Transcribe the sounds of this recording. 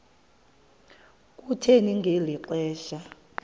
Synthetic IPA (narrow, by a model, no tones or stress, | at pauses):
kʼutʰeniŋɡʱeliǃɛːʃa